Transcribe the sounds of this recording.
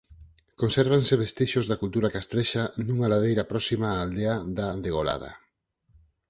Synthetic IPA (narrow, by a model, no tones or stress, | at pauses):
konseɾβ̞anseβest̪iʃozðakult̪uɾakast̪ɾeʃanuŋalað̞ejɾɐpɾɔsimaːld̪eaðaðeɣ̞ola̰ð̞a̰